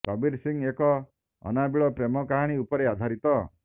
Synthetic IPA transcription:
kɔbiɾsiŋekɔ | ɔ̰nabiɭɔpɾemɔkaɦaɽ̃iupɔɾead̪ʱaɾit̪ɔ

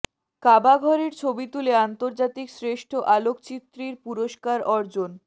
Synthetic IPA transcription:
kabaɡʱɔɾeɾt͡ɕʰobit̪uleant̪oɾd͡ʑat̪iksɾeʃʈʰoʔalokt͡ɕit̪ːɾiɾpuɾoʃkaɾɔɾd͡ʑon

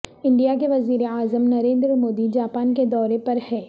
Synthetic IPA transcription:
ɪ̃ɳɖijakeʋɐziːɾeaːzəmnɐɾẽːnd̪ɾmoːd̪id͡ʒaːpaːnked̪ɔːɾepɐɾhɛː

